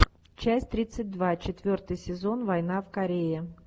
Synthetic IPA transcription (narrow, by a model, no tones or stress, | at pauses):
t͡ɕæsʲtʲt̪ɾʲit̪sɨt̚ʲd̪vat͡ɕɪt̪vʲort̪ɨjsʲɪzo̞nvɐjn̪afkɐɾʲejɪ